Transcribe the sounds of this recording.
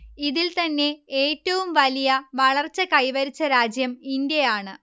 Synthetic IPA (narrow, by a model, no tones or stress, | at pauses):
iðilt̪ɐnːe̞eːtːɐʋumʋɐlijɐʋɐɭɐrt͡ɕːɐkɐjʋɐɾit͡ɕːɐɾaːd͡ʑjɐmindjejaːɳɨ